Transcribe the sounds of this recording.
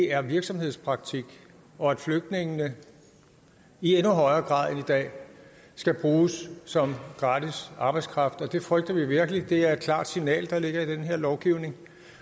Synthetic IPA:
eæɐʋiɐɡ̥sɒ̽mhe̝ð̰ˠspʰʁɑ̈ɡ̥̚t͡sʰiɡ̥ | ɒ̽æd̥fløɡ̥̚d̥ne̝ŋnə | ienuɦɒ̽ɪɐːɡ̥ʁɑ̰̈ːð̰ˠenid̥ɛ̰ː | sɡ̥æb̥ʁuːssɒ̽mɡ̥ʁɑ̈ːd̥isɑ̈ːb̥ɑ̈ɪskʰʁɑ̈fd̥ɒ̽d̥e̝fʁœɡ̥d̥ɐʋiʋiɐɡ̥əlid̥e̝æɐe̝d̥̚kʰl̥ɑ̰̈ːd̥sinɛ̰ːld̥ɑ̈le̝ɡ̥ɐid̥enɦe̝ɐ̰lɒʊɡ̥iʊne̝ŋ

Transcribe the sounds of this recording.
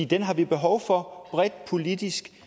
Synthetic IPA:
id̥enɦɑ̈ʋib̥e̝ɦɒʊ̰fɒ̽b̥ʁɛd̥̚pʰo̝lid̥isɡ̥

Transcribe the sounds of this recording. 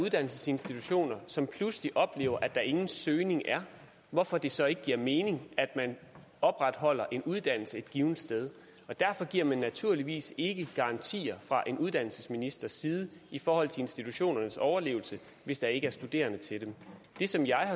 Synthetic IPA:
uðˠd̥æn̰l̩səse̝nsd̥it͡sʰuɕo̝̰ːnɐsɒ̽mpʰlusliʔɒ̽b̥le̝̰ːʊɐʔæd̥ɑ̈ʔe̝ŋn̩søːne̝ŋʔæɐ | ʋɒfɒ̽d̥e̝sɒ̽e̝ɡ̥əɡ̥iɐ̰meːne̝ŋæd̥mæn | ɒ̽b̥ʁad̥hɒ̽l̰ɐʔe̝nuð̞ˠd̥æn̰l̩səe̝d̥ɡ̥iːʊnd̥sd̥eð̞ˠ | ɒ̽d̥æɐfɒ̽ɡ̥iɐ̰mænːæt͡sʰuɐliʋḭːse̝ɡ̥əɡ̥ɑ̈ɑ̈nt͡sʰḭːɐfʁɑ̈ʔe̝nuðˠd̥æn̰l̩səsminisd̥ɐsiːð̞ˠəifɒːhɒ̽l̰t͡sʰe̝e̝nsd̥it͡sʰuɕo̝̰ːnɐnəsɒʊɐle̝̰ːʊl̩sə | ʋe̝sd̥ɑ̈e̝ɡ̥əæɐsd̥ud̥e̝̰ːɐnət͡sʰe̝dem | d̥e̝sɒ̽mjɑ̈ɪhɑ̈

